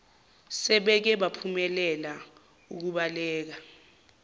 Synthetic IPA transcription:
sɛɓɛk̬ɛɓapʰumɛlɛla | uk̬uɓalɛːk̬a

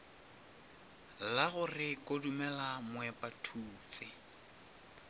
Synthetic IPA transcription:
laɣʊrɪkʼodumɛlamʊwɛpʼatʰuːt͡sʼɪ

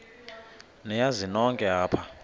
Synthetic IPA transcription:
nɛjazinɔŋkʼɛɦaːpʰa

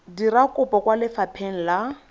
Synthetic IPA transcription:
dirakʼʊpɔkwalɪfapʰɛŋ̩la

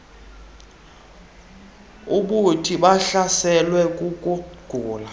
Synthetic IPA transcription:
uɓutʰiɓaɬasɛlwɛkʼukʼuɡ̥ʱuːla

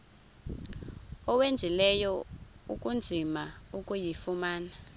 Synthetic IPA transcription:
ɔwend͡zʱilɛjɔṵk̬ʼund͡zʱimaukʼujifumaːna

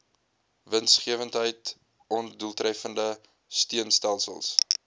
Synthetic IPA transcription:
vənsχiəvəntɦəjt | ɔnduəlˠtrɛfəndə | stiənstælˠsə̰lˠs

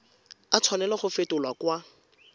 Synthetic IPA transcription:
at͡sʰwanɛlɔχʊfetʊlwakwa

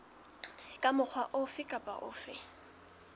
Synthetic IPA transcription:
kʼamʊk͡xʰwaʔʊfɪkʼapʼa̰ʔʊ̰ːfɪ

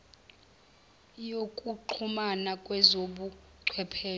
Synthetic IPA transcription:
jokʼuǃʰumanakʼwɛzoɓu | ǀʰwɛpʰeː

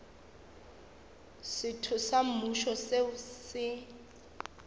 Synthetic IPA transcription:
sɪtʰʊsam̩muʃɔsesɪ

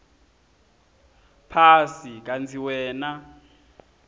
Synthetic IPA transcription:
pʰasik̬ʼant͡sʰiwɛːna

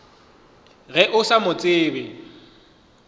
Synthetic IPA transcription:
ɣɛʔʊsamʊt͡sʼɪːbɪ

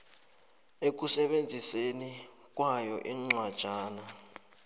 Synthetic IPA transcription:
ek̬usɛɓend͡zʱiseni | k̬ʼwajɔʔiŋ͡ǀwad̥ʒ̥ʱaːna

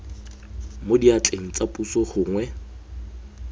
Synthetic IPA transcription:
modiat͡ɬʼeŋ̩t͡sʼapʼusɔχʊːŋwɛ

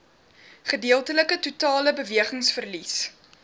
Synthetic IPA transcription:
χədiəlˠtələkətutɑːləbəviəχəŋsfərlis

